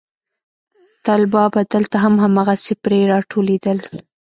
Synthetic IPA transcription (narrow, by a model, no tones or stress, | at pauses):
t̪ɑlbɑbad̪əlt̪aɦamɦamɑɣasepɾeɾɑʈʰoled̪əl